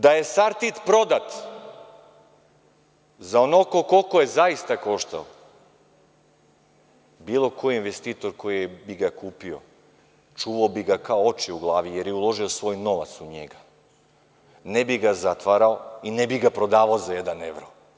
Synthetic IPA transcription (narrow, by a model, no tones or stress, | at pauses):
d̪aje̞saɾt̪it̪pɾo̞d̪at̪ | zaonokokolˠkojezaist̪ako̞ʃt̪a̰o | biːlˠo̞ko̞jiinʋest̪iːt̪o̞ɾko̞jibiɡakuːpio̞̰ | t͡ʃuːʋaobiɡakaoot͡ʃiuɡlˠaːʋijeɾjeulˠo̞ʒiosʋo̞ːjno̞ʋa̰t̪suɲeɡa | nebiɡazat̪ʋaɾaoinebiɡapɾo̞d̪aːʋaozajed̪aneʋɾo